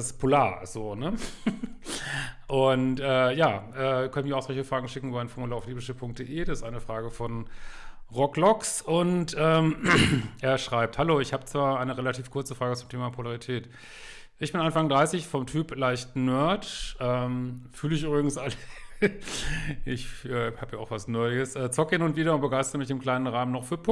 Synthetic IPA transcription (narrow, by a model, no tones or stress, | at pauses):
spʰolaːɐz̥oːnə | ʔʊntʔɛːjaːʔɛːkʰœnəmiːɐaʊxz̥ɔlçəfʁ̥aːɡŋ̩ʃɪkŋ̩ybaɪnfoɐmuləaʊfliːblɪʃəpʰʊŋk̚d̥eːʔeːdasɪstʔaɪnəfʁ̥aːɡəfɔn | ʁɔklɔksʊntʔɛːmʔeːɐʃʁ̥aɪp̚thaloːɪçhaːbət͡sv̥aːɐʔaɪnəʁelatʰiːfkʰʊɐt͡səfʁ̥aːɡət͡sʊmtʰeːmapʰolaʁitʰɛːt | ʔɪçb̥ɪnanfaŋdʁaɪsɪçfɔmtʰyːplaɪçtnœɐtʔɛːmfyːləɪçʔyːbʁɪɡŋ̩sʔalə | ʔɪçʔɛːhaːpjaːaʊxv̥asnɔʏəsʔɛːt͡sɔkɪnʊntv̥iːɾɐʊntbəɡaɪstəʁəmɪçɪmkl̥aɪnənʁaːmənɔχfyːɐpʰ